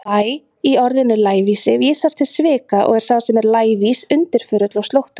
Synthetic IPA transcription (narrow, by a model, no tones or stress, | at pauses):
aj | iɔɾðɪnʏlaːjvisɪvjisaɾ̥t̪ʰɪlsvɪːkaʔɔ̰ɣɛɾ̥sawsɛmɛɾlaːjvisʏnt̪ɪɾ̥fʏːɾʏt̪last̪owht̪ʏ̥